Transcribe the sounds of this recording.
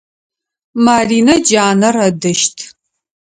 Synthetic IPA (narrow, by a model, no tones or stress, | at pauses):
maːriːnɐd͡ʒaːnɐrɐdɨʃtʰ